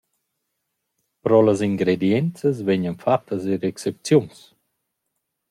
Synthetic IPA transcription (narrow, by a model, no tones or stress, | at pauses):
pɾɔləziŋɡɾed̪jɛnt͡səsvɛɲənfat̪ʰːəziɾɛksep̚t͡sjuns